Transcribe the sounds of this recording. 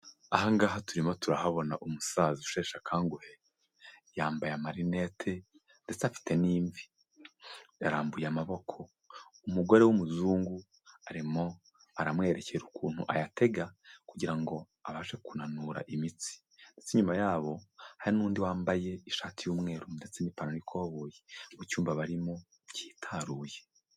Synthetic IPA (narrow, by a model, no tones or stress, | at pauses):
ahaŋɡaːɦatuɾimo̞tuɾahaβo̞naʔumusaziʃeːʃakʰaːŋɡuhe | jaːmbajamaɾine̞tʰe̞ | nde̞t͡safi̥te̞niːɱvi | jaɾaːmbujamaβo̞kʰo̞ | umuɡo̞ɾe̞wumuzuːŋɡu | aɾimo̞ | aɾamŋe̞ːɾecʰe̞ɾukuːn̥huʔa̰jate̞ɡakuɟiɾaŋɡo̞ | aβaːʃe̞kunanuːɾa̰ʔimit͡si̥ | nde̞t͡seɲumajaːβo̞haɾinuːndiwaːmbaje̞iʃaːtʰijuːmŋe̞ːɾunde̞t͡senipanonikʰoːβojemucuːmbaβaɾimo̞ | ci̥ːtʰaɾuːje